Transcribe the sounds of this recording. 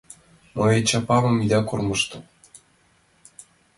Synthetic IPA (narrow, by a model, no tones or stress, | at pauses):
moet͡ɕɑpɑβɤ̆mid̪ɑkormɤ̆ʃt̪ɤ̆